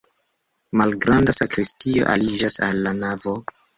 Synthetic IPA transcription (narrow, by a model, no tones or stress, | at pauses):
malɡɾandasakɾistio̞̰ʔa̰lid͡ʒasalːanavo